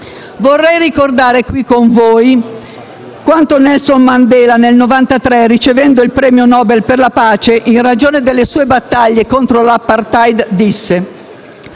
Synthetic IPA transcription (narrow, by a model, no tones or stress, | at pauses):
vorːɛjrikord̪aːɾekwikːoɱvoːj | kwant̪onɛlsonmand̪ɛːlanelnovant̪at̪ɾɛrːit͡ʃevɛnd̪oilpɾɛːmjonɔːbelperlapaːt͡ʃeʔinrad͡ʒoːned̪elːesuːebat̪ːaʎːekont̪ɾolapːart̪ajd̪d̪isːe